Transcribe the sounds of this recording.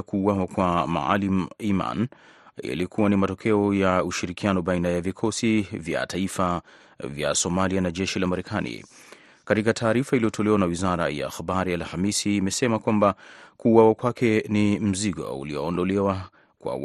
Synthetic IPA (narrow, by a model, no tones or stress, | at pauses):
kuːwawakwama̰a̰limima̰nja̰likuwanimatɔkʰɛɔjauʃiɾikianɔbainajavikʰɔsivja̰taifa | vja̰sɔmalianaʄɛʃilamaɾɛkʰanḭ | katikatʰaːɾifailijɔtʰɔlɛwanawizaɾaja̰ːxabaɾialhamisiːmɛsɛmakwambakuːwawakwakɛnim̩ziɡɔ̰ṵliɔːndɔlɛwa | kwa̰w